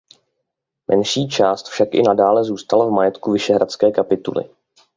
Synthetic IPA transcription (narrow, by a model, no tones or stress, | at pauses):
mʔɛnʃiːt͡ʃaːst̪fʃakʔɪ̰nadaːlɛzuːst̪alavmajɛt̪kuvɪʃɛɦɾat͡skɛːkapɪt̪ṵlɪ̰